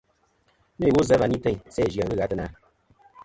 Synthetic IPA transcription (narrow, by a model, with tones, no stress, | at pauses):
me˦˨wo˦zɛ˦va˨ni˦tɛ˦˨ɲsɛ˦˨ʒja˨ɣɨ˦ɣa˦tɨ˦na˨˦